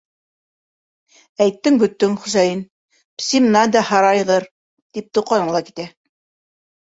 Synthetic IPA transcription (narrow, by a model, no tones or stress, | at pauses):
æjt̪ːɘŋbɵ̆t̪ːɵŋχusɑjɤn | psʲim̆nɑd̪ɑhɑɾɑjʁɤɾ | t̪ip̚t̪uqɑnɤɴlˠɑki̥t̪æ